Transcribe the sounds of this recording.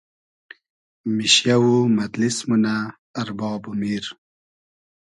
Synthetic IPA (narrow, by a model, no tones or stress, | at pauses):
miɕjawumɐd̪lismunaː | ɾbɑːbumiɾ